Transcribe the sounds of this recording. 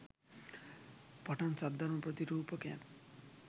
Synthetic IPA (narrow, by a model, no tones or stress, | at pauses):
pʌʈant͡sad̪ʌɾmʌprʌt̪iɾupʌkã̰n